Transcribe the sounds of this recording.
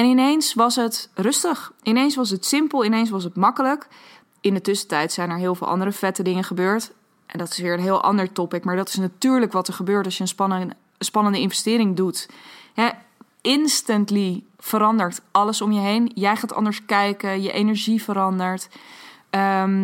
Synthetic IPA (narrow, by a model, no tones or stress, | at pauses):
ɛnɪnejnsʋɑsɦətrɵstəχʔɪnejnsʋɑs̬ətsɪmpəlˠɪnejns̬ʋɑs̬ətmɑkələk | ɪndətʏsə̥tɛjtsɛjnɛɹɦɪːlˠvɪ̰lˠɑ̰ndəɾəfɛtədɪŋəχəbøːɹt | ʔɛndɑtɪ̥sʋɪːɹənɦɪːlˠʔɑ̰ndəɹtɔpɪkmaːɹdɑtɪ̥snatyːɹləkʋɑtɛɹχəbøːɹtɑsjəənspɑnə | nspɑnəndəɪnfvɛstɪːɾɪŋdutɦɛ | ɪnstəntli | vəɾɑndəɹtɑləsɔmjəɦejnjɛjχaːtɑ̰ndəɹskɛjkəjəʔejnəɹʒivəɾɑndəɹt | ə